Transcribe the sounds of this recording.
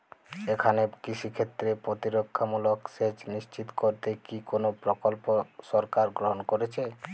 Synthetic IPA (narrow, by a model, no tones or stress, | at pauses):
ekʰanekit͡ɕʰikʰet̪ːɾepɾot̪iɾokʰːamuloksed͡ʑniʃt͡ɕit̪koɾt̪ekikonopɾokolpoʃɔɾkaɾɡɾoɦonkoɾet͡ɕʰe